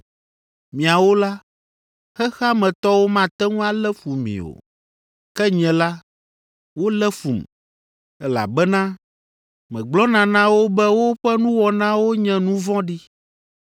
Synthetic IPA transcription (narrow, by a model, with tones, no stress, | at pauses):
mĩ˨a˨wo˦la˦ | xɛ˦xa˦mɛ̃˨t̪ɔ˦wo˦mã˦˨t̪ɛ˦ŋũ˦a˦lɛ˦fu˨mḭ̃˨o̰˨ | kɛ˦ɲɛ̃˨la˦ | wo˦lɛ˦fu˨m | ɛ˦la̰˨bɛ˦nã˦ | mɛ̃˨ɡ͡blɔ˦nã˨nã˦wo˦bɛ˦wo˦ɸɛ˦nũ˦wɔ˨nã˦wo˦ɲɛ̃˦nũ˦vɔ̃˦ɖi˦